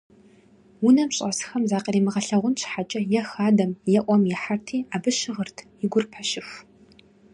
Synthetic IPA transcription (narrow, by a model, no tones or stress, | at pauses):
wʊnɐmɕʼɐsxɐmzaːqɐriːmɨʁɐɬɐʁʷʊnt͡ʃʰħat͡ʃʼɐjɛxaːdɐmjɛʔʷɔmjɛħartʰiːaːbɨɕɪʁərtʰjɪɡʷʊrpʰɐɕɪx